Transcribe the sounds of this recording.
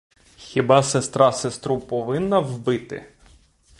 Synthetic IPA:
xʲibɑsest̪ɾɑsest̪ɾupɔʋɪnːɐʋbɪt̪ɪ̰

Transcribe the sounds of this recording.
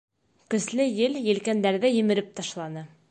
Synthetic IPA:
kɵ̆slɘjɘljɘ̆lkænd̪æɾðɘjɘ̆mɘ̆ɾɘp̚t̪ɑʃlˠɑnɤ

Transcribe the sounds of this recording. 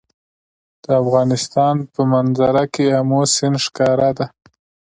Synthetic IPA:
d̪̥əafɣɑnɪst̪ɑnpəmanzaɾakeamosɪnʂkɑɾad̪a

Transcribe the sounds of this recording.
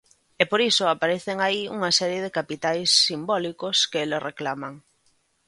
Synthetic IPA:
epoɾisʊapaɾeθeŋaiuŋasɛɾjeðekapit̪ajsːimbɔlikoskeloreklamaŋ

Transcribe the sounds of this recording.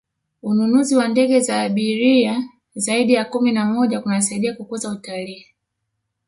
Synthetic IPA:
ununuziwandɛɡɛzaːɓiɾia | zaiɗijakuminamɔʄaunas̬aiɗiakukuzautaliː

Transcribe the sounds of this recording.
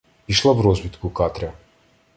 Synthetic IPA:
iʃlˠavɾɔzbit̪kukat̪ɾʲa

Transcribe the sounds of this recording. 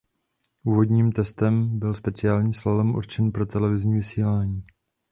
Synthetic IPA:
ʔuːvo̞dɲiːmt̪ɛst̪ɛmbɪlspɛt͡sɪaːlɲiːslalɛmʔṵɾt͡ʃɛnpɾot̪ɛlɛvɪzɲiːvɪsiːlaːɲiː

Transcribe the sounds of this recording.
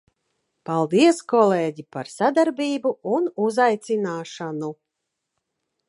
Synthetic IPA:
palˠd̪iɛskɔleːɟipaɾsad̪aɾbʲiːbuunuzajt̪sinaːʃanu

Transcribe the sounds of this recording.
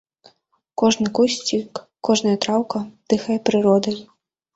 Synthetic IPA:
kɔʐnɨkusʲt͡sʲik | kːɔʐnɐjɐt̪ɾawkɐd̪̥ɨxɐjɛpɾɨɾɔd̪ɐj

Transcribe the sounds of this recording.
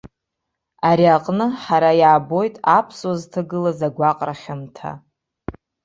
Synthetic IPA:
aɾiaqʼnɨħaɾajaːbo̞jtʼapʰsoztʰɨɡɨlazaɡʷaqʼraχʲamtʰa̰

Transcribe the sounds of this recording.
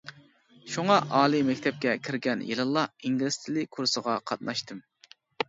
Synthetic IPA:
ʃuŋɑʔɑːlˠɨmɛkʲt̪ʰɛp̚kʲɛkʲʰiɾɡʲɛnjḛlˠɨlˠːɑiŋɡʲilɪst̪ʰɪlɪkʰuɾsəʁɑqʰɑt̪̚nɑʃt̪ɨm

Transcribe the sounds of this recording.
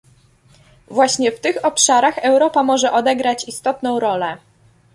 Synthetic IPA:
vwaɕɲɛft̪ɘxɔpʂaɾaxɛwɾɔpamɔʐɛʔɔd̪ɛɡɾat͡ɕist̪ɔt̪nɔ̃w̃ɾɔlɛ

